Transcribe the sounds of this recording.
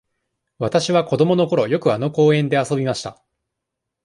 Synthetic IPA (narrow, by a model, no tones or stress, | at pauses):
βat̪aɕiβako̞d̪o̞mo̞no̞ko̞ɾo̞jo̞kɯ̟ano̞ko̞ːẽ̞nd̪e̞aso̞bʲimaɕi̥t̪a